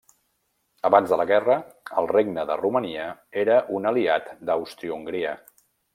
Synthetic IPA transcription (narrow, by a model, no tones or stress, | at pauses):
əβanzðələɣɛrəəlˠreɡ̚nəðə̰ruməniəeɾəʔunəliat̪d̪əwst̪ɾiuuŋɡɾiə